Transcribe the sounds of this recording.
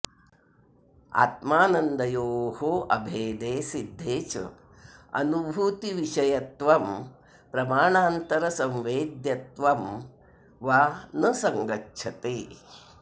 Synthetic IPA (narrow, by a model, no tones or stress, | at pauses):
a̰ːt̪maːnɐnd̪ɐjoːɦoʔɐbʱeːd̪eːsid̪ʱːeːt͡ʃɐ̰ | ɐ̰nubʱuːt̪iʋiʃɐjɐt̪ʋɐm | pɾɐmaːɳaːnt̪ɐɾɐsɐ̃mʋeːd̪jɐt̪ʋɐm | ʋaːnɐsɐŋɡɐtːʃʰɐt̪eː